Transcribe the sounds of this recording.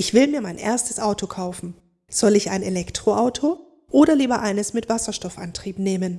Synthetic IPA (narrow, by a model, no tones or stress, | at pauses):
ʔɪçv̥ɪlmiːɐmaɪnʔḛːɐstəsʔaʊtokʰaʊfn̩ | z̥ɔlɪça̰ɪnelɛktʁ̥oʔaʊtʰo | ʔoːɾɐliːbɐʔaɪnəsmɪtv̥asɐʃtɔfʔa̰ntʁ̥iːpneːmən